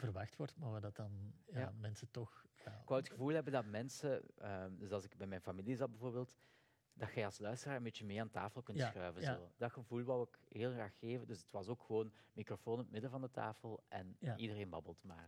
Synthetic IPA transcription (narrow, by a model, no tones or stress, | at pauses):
vərʋɑxtʋɔrtmadɑtɑnjaamɛnsətɔxaɪkʋawətxəvuːlˠɦɛbəndɑtmɛnsəəːdøsɑlˠzɪkbɛjmɛjnfɑmilizɑt̚bəvoːrbeːlˠt | d̥ɑtxɛjɑlˠslœɥstəraːɹənbeːt͡ʃəmeːaːnta̰ːfəlˠkɵntsxrœɥvənzoːdɑtxəvuːlˠʋawɪkɦeːlˠɣraːxːeːvəndɵsətʋɑsoːkxəʋoːnmikrofoːnɔtmɪdəvɑndətʰa̰ːfəlˠʔɛnʔidəreːnbɑbəlˠtmaːr